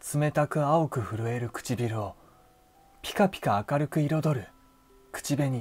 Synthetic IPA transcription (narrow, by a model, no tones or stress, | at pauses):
t͡sɨme̞t̪akɯ̟aokɯ̟ɸɯ̟ɾɯ̟e̞ɾɯ̟kɯ̟̥t͡ɕibʲiɾɯ̟o̞ | pʲi̥kapʲi̥kaːkaɾɯ̟kɯ̟iɾo̞d̪o̞ɾɯ̟ | kɯ̥t͡ɕibe̞ɲ̟i